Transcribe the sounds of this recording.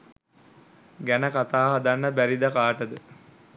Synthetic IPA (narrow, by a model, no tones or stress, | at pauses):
ɡænəkat̪aːɦad̪anːəbæɾid̪əkaːʈəd̪ə